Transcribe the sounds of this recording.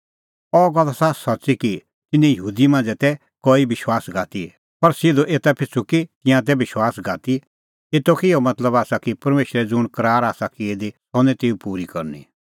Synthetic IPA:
ɔːɡɐlːasasɐtːsiki | t̪ɪnːɛ̃jəɦuːd̪imãːnd͡zɛt̪ɛ | koːibɪʃwaːsɡaːt̪i | pɐɾsɪd̪oʔeːt̪apʰɪt͡sʰukit̪ɪ̃jãt̪̬ɛbɪʃwaːsɡaːt̪i | et̪okiomɐt̪ləbaːsakipɐɾmeːʃɾɛd͡zʊɽ̃kɐɾaːɾaːsakied̪isɔ̃nɛ̃t̪eːupuːɾikɐɾnḭ

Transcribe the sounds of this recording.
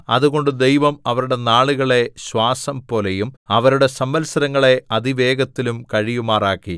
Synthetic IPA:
ɐðuɣo̞ɳɖɨd̪e̞jʋɐmɐʋɐɾuɽe̞naːɭuɣɐɭe̞ɕwaːsɐmpo̞ːle̞jumɐʋɐɾuɽe̞sɐmʋɐlsɐɾɐŋːɐɭe̞ɐd̪iʋe̞ːɡɐt̪ːilumkɐɻijumaːraːkːi

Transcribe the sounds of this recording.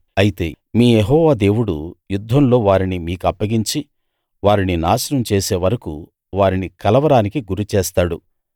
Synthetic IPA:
ɐjit̪e̞ː | miːjeɦɔːʋaːd̪e̞ːwuɽujud̪ʱːɐmlo̞ːʋaːɾinimiːkuɐpːɐɡiɲt͡ʃi | ʋaːɾininaːʃɐnɐmt͡ʃeːse̞ːʋɐɾɐkṵ | ʋaːɾinikɐlɐʋɐɾaːnikiɡuɾut͡ʃɛːst̪aːɽu

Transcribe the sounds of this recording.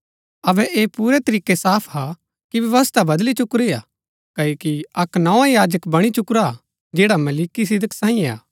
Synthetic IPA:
ɐbɛʔeːpuːɾet̪ɐɾiːkːesaːpʰɦa | kiʋjɐʋəst̪ʰabɐd̪lit͡ʃʊkɾia̰ | kɐoːkiɐknɐãjaːd͡ʒəkbɐɽ̃it͡ʃʊkɾa | d͡ʒeːɽamɐlikis̬ɪd̪əksãːĩːẽa̰ː

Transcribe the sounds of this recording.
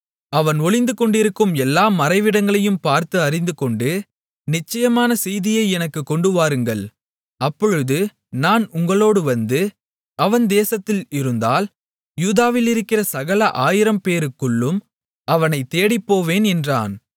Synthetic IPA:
ɐʋɐnɔɭɪnd̪ɯkɔɳɖɪɾɯkːɯmɛlːaːmɐɾɐɪʋɪɽɐŋɡɐɭɐjɯmpaːɾt̪ɯɐɾɪnd̪ɯkɔɳɖɯ | nɪt͡ʃːɐjɐmaːnɐsɛjðɪjɐɪɛnɐkːɯkːɔɳɖɯʋaːɾɯŋɡɐɭ | ɐpːɔɻɯðɯ | naːnʊŋɡɐɭoːɽɯʋɐnd̪ɯ | ɐʋɐnd̪eːsɐt̪ːɪlɪɾɯnd̪aːl | juːðaːʋɪlɪɾɯkːɪrɐsɐɣɐlɐʔaːjɪɾɐmpeːɾɯkːɯɭːɯm | ɐʋɐnɐɪt̪ːeːɽɪpːoːʋeːnɛndra̰ːn

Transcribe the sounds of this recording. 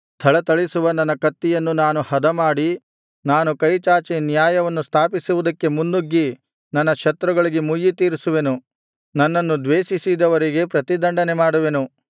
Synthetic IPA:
t̪ʰɐɭɐt̪ɐɭisuʋɐnɐnːɐkɐt̪ːijɐnːunaːnuhɐd̪ɐmaːɽi | naːnukɐjt͡ʃaːt͡ʃinjaːjɐʋɐnːust̪ʰaːpisuʋud̪ɐkːe̞munːuɡːi | nɐnːɐʃɐt̪ɾɐɡɐɭiɡemujːit̪iːɾisuʋe̞nu | nɐnːɐnːud̪ʋeːʃisid̪ɐʋɐɾiɡe̞pɾɐt̪id̪ɐɳɖɐnemaːɽuʋe̞nu

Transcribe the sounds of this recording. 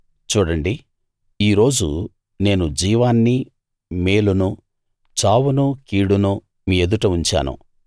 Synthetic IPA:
t͡ʃuːɽɐɳɖi | iːɾo̞ːd͡ʒṵ | ne̞ːnud͡ʒiːʋaːnːi | meːlunu | t͡ʃaːwunukiːɽunu | miːe̞d̪uʈɐuɲt͡ʃa̰ːnṵ

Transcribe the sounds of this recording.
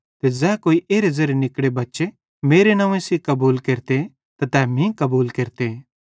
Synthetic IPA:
t̪ezɛːkoːiʔeːɾezɐɾijenɪkɽebɐtːʃe | meːɾenãːʋẽsikɐbuːlkeːɾt̪e | t̪at̪ɛːmĩkɐbuːlkeːɾt̪e

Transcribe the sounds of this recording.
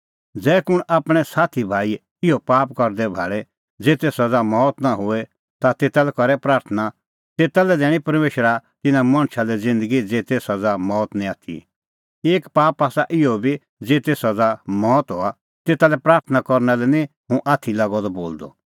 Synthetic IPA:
d͡zɛːkʊɽ̃ʔaːpɽ̃ɛsaːt̪ʰibʱaːi | ɪɔpaːp̚kɐɾd̪ɛbʱa̰ːɭɛ | d͡zeːt̪eːsad͡zamɔːt̪naɦʊɛ | t̪at̪eːt̪alɛkɔɾɛpɾaːɾt̪ʰəna | t̪eːt̪alɛd̪ɛːɽ̃ĩpɐɾmeːʃɾat̪ɪnãmɐ̃ɽ̃ʃalɛd͡zɪ̃nd̪əɡid͡zeːt̪eːsad͡zamɔːt̪nĩaːt̪ʰḭ | eːkpaːpaːsaʔɪɔbʱi | d͡zeːt̪eːsad͡zamɔːt̪ɦo̰a | t̪eːt̪alɛpɾaːɾt̪ʰənakɔɾnalɛnĩ | ɦũʔaːt̪ʰilaɡɔd̪ɔboːld̪ɔ̰

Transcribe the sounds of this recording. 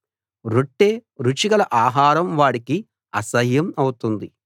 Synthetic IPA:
ɾuʈːeːɾut͡ʃiɡɐlɐʔaːɦaːɾɐmʋaːɽiki | ɐsɐɦjɐmɐwut̪und̪i

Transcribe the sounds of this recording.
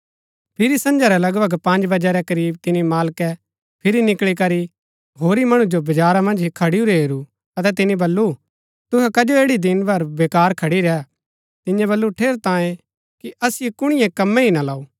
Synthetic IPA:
pʰɪɾisɐ̃nd͡ʒaɾɛlɐɡbɐɡpɐ̃nd͡ʒbɐd͡ʒɛɾɛkɐɾiːb̚t̪ɪnimaːlkɛ | pʰɪɾinɪkɭikɐɾi | ɦoːɾimɐɽ̃ũd͡ʒobɐd͡ʒaːɾamɐ̃nd͡ʒikʰɐɽiuɾeɦeːɾu | ɐt̪̬ɛt̪̬ɪnĩbɐlːu | t̪ʊɦɛkɐd͡ʒoeːɽid̪ɪnbɐɾbeːkaːɾkʰɐɽiɾɛɛ | t̪ɪnjɛ̃bɐlːuʈʰeːɾt̪ãːjẽ | kiʔɐsɪjekʊɽ̃ɪ̃jɛ̃kɐmːɛ̃ɦinalaːuː

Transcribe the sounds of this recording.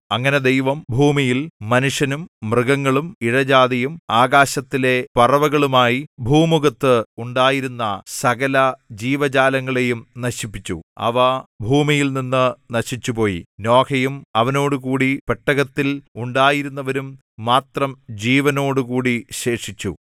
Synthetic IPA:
ɐŋːɐne̞d̪ejʋɐmbʱuːmijilːɐnuʂjɐnumːrɨɡɐŋːɐɭumiɻɐd͡ʑaːd̪ɐjumaːɣaːɕɐt̪ːile̞pɐrɐʋɐɣɐɭumaːjibʱuːmuɣɐt̪ːɨuɳɖaːjiɾunːɐsɐɣɐlɐd͡ʑiːʋɐd͡ʑaːlɐŋːɐɭe̞jumnɐɕipːit͡ɕːṵɐ̰ʋɐbʱuːmijilninːɨnɐɕit͡ɕːupo̞ːjḭno̞ːkʰɐjumɐʋɐno̞ːɽukuːɽipeʈːɐɣɐt̪ːiluɳɖaːjiɾunːɐʋɐɾumː | aːt̪rɐmd͡ʑiːʋɐno̞ːɽukuːɽiɕe̞ːʂit͡ɕːṵ

